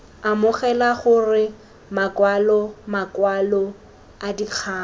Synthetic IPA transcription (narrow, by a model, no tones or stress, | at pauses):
amʊχɛlaχʊrɪ | makwalɔmakwalɔ | adik͡xʰaː